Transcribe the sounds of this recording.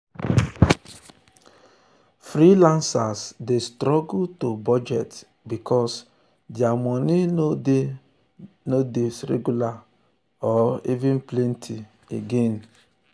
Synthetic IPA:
fɾilãnsasdestɾɔɡutobɔd͡ʒɛt | bikʰɔs | dɪamɔni | nodesɾḛɡula | ɔivɪn̩plentʰi | ḛɡen

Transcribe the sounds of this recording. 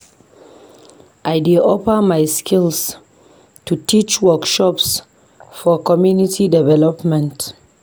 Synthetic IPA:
ʔajdiɔpəmajskʰils | tutit͡ʃwɔkʃɔps | fɔkɔmjunitʰidɛvɛlɔpmɛ̃nt

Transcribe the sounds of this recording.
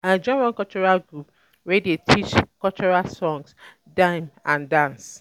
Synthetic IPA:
ad͡ʒɔ̃ɹɔ̃nkɔlt͡ʃɔɹalɡɹup | ɹedetʰit͡ʃkɔlt͡ʃɔɹalsɔ̃ŋs | dãɪmãndãns

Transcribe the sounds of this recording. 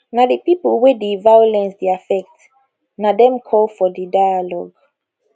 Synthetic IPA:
nadəpipəlwɛdevajɔlɛ̃nsdiafɛk̚t | nadɛ̃mkʰɔlfɔdidajalɔ̰ɡ

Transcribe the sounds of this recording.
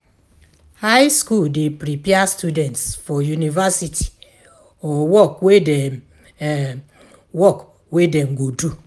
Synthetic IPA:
haɪskuldepɾipiastudɛ̃ntsfɔjunivasitʰi̥ | ɔwɔkwede | wɔk | wedeŋ̩ɡodu

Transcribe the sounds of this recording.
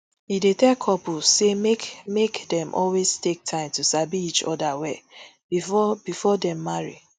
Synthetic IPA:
jidetɛkʰɔpusemekmekdɛ̃mʔɔlweztek̚tʰãɪ̃mtusabiit͡ʃɔ̰dawɛbibifɔdɛ̃mːaɹḭ

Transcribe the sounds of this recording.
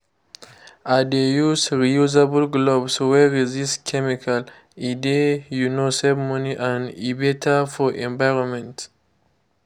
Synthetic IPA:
adejusɹijuzabəlɡlobswɛɹizistkʰɛmikʰal | idejunosɛbmɔ̃niʔãnibetʰafɔʔɛ̃ɱvajɹɔ̃nmɛ̃nt

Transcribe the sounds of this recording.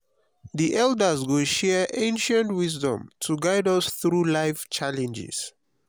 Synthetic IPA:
ðiʔɛldəzɡoʃɛʔẽnʃə̃ntwizdɔ̰̃mtʰuɡajdʌsθɹulaɪft͡ʃalɛ̃nd͡ʒɪ̰s

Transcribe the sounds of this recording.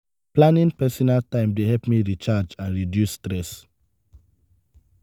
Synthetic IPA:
plãnĩnpɛsɔnaltãɪ̃mdehɛlpmiɹit͡ʃad͡ʒãnɹidjusːtɹɛs

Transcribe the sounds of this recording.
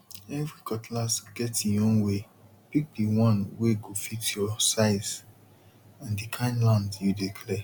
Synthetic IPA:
ɛvɹikɔtlasɡ̥ɛtĩjɔ̃ŋwe | pik̚diwɔ̃nweɡofitjɔsaɪz | ãndikʰãɪ̃nlãndjudikʰlɛ

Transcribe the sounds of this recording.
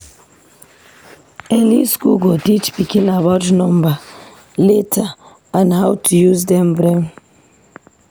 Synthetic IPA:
ɛliskṵɡotit͡ʃbikĩnabɔd͡ʒnɔ̃mba | letʰa | ãnhawtʰujuzdɛ̃mbɹɛ̃m

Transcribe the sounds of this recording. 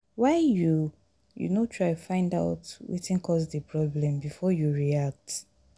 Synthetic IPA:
waɪju | jṵnotʰɹaɪfãɪ̃nda̰ʊtwḭtĩnkʰɔsdəpʰɹɔblɛ̃mbifɔjuɹiak̚t

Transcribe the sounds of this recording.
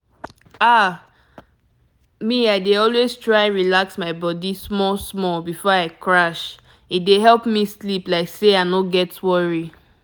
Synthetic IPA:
a | miaɪdeɔlweztɹaɪ̃ɹilaksmaɪbɔdismɔsmɔlbifɔaɪkɹaʃ | it̚deɦɛlˠpmisliplaɪkseaɪnoɡɛtwɔɹi

